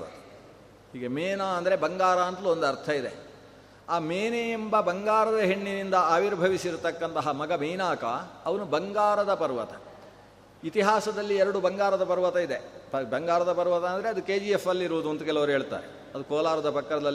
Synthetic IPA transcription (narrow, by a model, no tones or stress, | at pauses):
ɐt̪ɐ̥ | hiːɡemeːnaːɐnd̪ɐɾe̞bɐŋɡaːɾaːnt̪luond̪uɐɾt̪ʰɐid̪e̞̰ | aːmeːneembɐbɐŋɡaːɾɐd̪ɐɦeɳːinind̪ɐaːʋiɾbʱɐʋisiɾut̪ɐkːɐnt̪ɐɦɐmɐɡɐmeːnaːkɐ̰ːʋɐnubɐŋɡaːɾɐd̪ɐpɐɾʋɐt̪ɐ̥ | it̪iɦaːsɐd̪ɐlːiɛɾɐɽubɐŋɡaːɾɐd̪ɐpɐɾʋɐt̪ɐid̪epɐbɐŋɡaːɾɐd̪ɐpɐɾʋɐt̪ɐɐnd̪ɐɾe̞ɐd̪uke̞ːd͡ʒiefːɐlːiiɾuʋud̪uont̪ukɛlɐʋɐɾɦeːɭt̪a̰ːɾe | ɐd̪ukɔːlaːɾɐd̪ɐpɐkːɐɾɐd̪ɐl